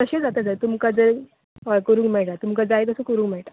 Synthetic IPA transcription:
k̪əɕed͡zat̪əd͡zəɾt̪umkad͡zəɾ | koɾuːŋkmɛɭʈat̪umkad͡zajk̪əsə̃kəɾũːŋkmɛɭʈa

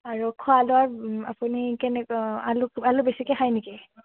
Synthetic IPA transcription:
aɹukʰwalʊaɹa̰punikɛnɛalʊalʊbesikɛhajniki

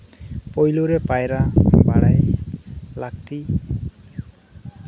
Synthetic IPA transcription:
pojluɾɛpajɾabaɽaj | lak̚ʈi

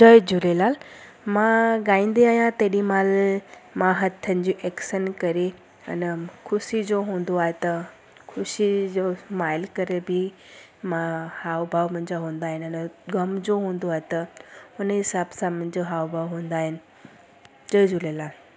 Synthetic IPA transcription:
d͡ʑəjd͡ʑulelal | maɡãĩnd̪eajãt̪eɽimalmaɦət̪ʰːəɲd͡ʑiʔeksənkəɾe | ə̰nkʰusid͡zoɦõnd̪oaɦt̪ə | kʰuɕid͡zomajlkəɾebʱiː | mahaʋbʱaʋm̤ənd͡zeɦõnd̪aɦinənɡəmd͡zoɦõnd̪oaɦt̪əunɦisabsam̤ənd͡ʑeɦaʋbʱaʋɦõnd̪aɦin | d͡ʑəjd͡ʑʱulelal

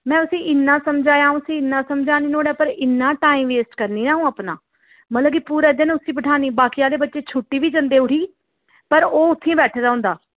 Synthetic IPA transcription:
mɛ̃ːʊsĩːʔɪnːãːsəmd͡ʒaːjaːũsĩːɪnːaːsəmd͡ʒaːniːnoːɽaːpəɾɪnːãːʈaːiːmʋeːsʈkəɾniːaːɦũːaːpna̰ː | mət̪ləbkipuːɾeːd͡ʒ̪eːneːʊsĩːbəʈʰaːniːbaːkiaːd̪eːbətːʃeːt͡ʃʰʊʈːiːʋiːd͡ʒənd̪eːʊʈiː | pəɾoːʊt̪ʰːĩːbɛːʈʰːd̪aːʊ̃nd̪aː

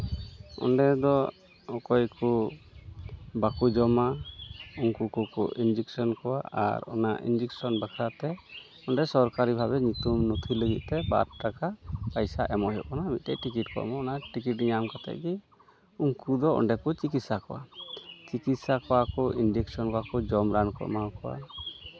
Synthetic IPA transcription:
ɔ̰nɖɛd̪ɔ | ɔkɔjku | bakud͡ʒɔma | uŋkukukɔ̰ʔind͡ʒiksɔnkɔwa̰a̰ɾɔ̰naʔḭnd͡ʒiksɔnbakʰɾat̪ɛ | ɔɳɖɛsɔɾkaɾibʱabɛɲut̪umnut̪ʰiləɡit̪̚ˀt̪ɛba̰ɾʈakapajsaʔɛmɔʔɦjɔʔkɔnabit̪t̪ɛ̰ʔʈikiʈkɔ̰ʔmɔːnaʈikiʈɲamkat̪ɛ̰ʔɡi | uŋkud̪ɔɔ̰nɖɛkɔt͡ʃikit̪sakɔwa̰t͡ʃikit̪sakɔwakɔʔind͡ʒiksɔnkɔwakɔd͡ʒɔmɾankɔ̰ʔmakɔwa̰

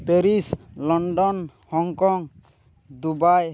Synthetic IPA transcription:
peɾislɔɳɖɔn | hɔŋkɔŋ | d̪ubaj

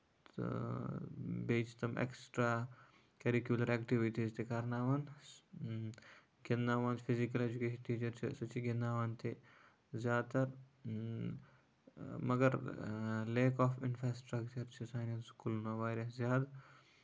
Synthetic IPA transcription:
beːt͡ʃt̪ɐmḛksʈɾaː | kɐɾikjulɐɾeːkʈiʋiʈizt̪ʰikɐɾnaːʋɐn | ɡinːaːʋanfʰizikɐled͡ʒukeːʃɐnʈiːt͡ʃɐɾt͡ʃʰḭsɐt͡ʃiɡinːaːʋaːnt̪ʰi | zjaːd̪t̪ɐɾ | mɐɡɐɾ | leːkaːfɪnfɾaːsʈɾɐkt͡ʃɐɾt͡ʃʰisaːnɐnskulnoʋaːjɾɐszʲjaːd̪

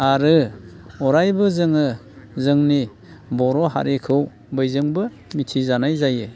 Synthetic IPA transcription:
aɾɯɔɾajbɯzɯŋɯ | zɯŋni | bɔɾɔɦa̰ɾikʰɯw | bɯjzɯŋbɯ | mitʰizanajzaje

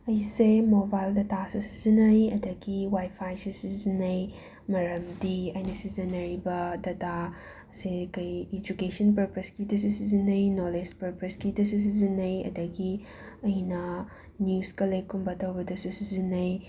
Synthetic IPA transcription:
ɐjsemobajldɐtasusi̥zinɐjɐdɐɡiwajpʰajsusizinɐj | mɐɾɐmdiɐjnɐsizɐnɐɾibɐdɐta | sekɐjed͡ʒukesɐnpɐɾpɐskidɐsusizinɐjnoled͡ʒpɐɾpɐskidɐsus̬izinɐjɐ̰dɐɡi | ɐjnɐ | njuskɐlekːumbɐtɐwbɐdɐsusizinɐj

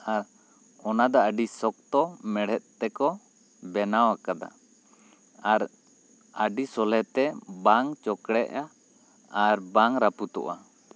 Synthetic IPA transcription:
aɾ | ɔnad̪aʔaɖisɔk̚t̪ɔmɛɽ̤ɛt̪̚t̪ɛkɔ | bɛnawakad̪a̰ | aɾ | aɖisɔlɛt̪ɛbaŋt͡ʃɔkɽɛʔa | aɾbaŋɾaput̪ɔ̰ʔa̰

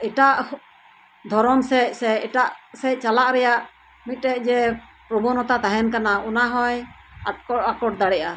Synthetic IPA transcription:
ɛʈaʔh | d̪ʱɔɾɔmsɛc̚ˀsɛcɛʈaʔsɛc̚ˀt͡ʃalaʔɾɛjaʔ | mit̪̚ˀɾɛc̚ˀd͡ʒɛ | pɾɔbɔnɔt̪at̪aɦɛnkanaunaɦɔ̃j | akɔakɔʈ̚d̪aɽɛʔa

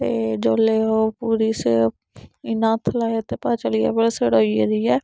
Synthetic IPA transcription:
t̪eːd͡ʒoːleːɦoːpuːɾiːs | ɪnãːt̪ʰlaːet̪eːpaːt͡ʃəliːɛ̰ːbelsəɽoːiḛːd̪iːɛː

